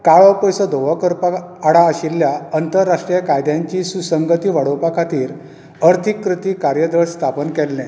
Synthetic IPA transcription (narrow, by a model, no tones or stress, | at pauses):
kaɭɔpəjsəd̪oʋəkəɾpaːɽaːɕilːjaənt̪əɾːaʂʈɾijəkajd̪jaɲt͡ɕiːsusəŋɡət̪iːʋaɽopakʰat̪iːɾ | əɾt̪ʰikːɾut̪iːkaɾjəd̪əɽst̪ʰapənkɛlːɛ̃